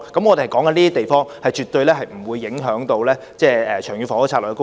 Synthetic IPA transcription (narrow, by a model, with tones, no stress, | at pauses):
kɐ˨˥mŋɔ˨˧d̪e˨hɐ˨˩jkɔː˨˥ŋkɐ˨˧nliː˥t̪i˥t̪e˨jfɔː˥ŋhɐ˨jt͡ʃy˨t̪̚ɵ˧jlɛː˥ɦɐ˨jm̩˨˩wuː˨˧jːɪ˨˧˥ŋɦœː˨˥ŋt̪o˧wlɛː˥ | t͡sɛː˥˩ɛː˨t͡ʃʰœː˨˩ŋjy˧fɔ˨˥ɔ˥t͡sʰa˧lːkɛ˧k